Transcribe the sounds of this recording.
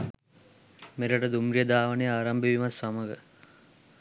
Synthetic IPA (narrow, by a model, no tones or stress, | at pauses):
meɾɐʈəd̪umɾijɐd̪aːʋɐnejaːɾɐmbiʋimɐsːamɐɡə